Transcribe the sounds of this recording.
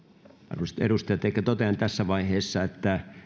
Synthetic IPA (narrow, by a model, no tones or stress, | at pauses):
ɑ̰rɑsi̥t̪ḛɾust̪ɑjɑt̪eikːæt̪ot̪eɑnt̪æsːæʋɑiheːsːɑet̪ːæ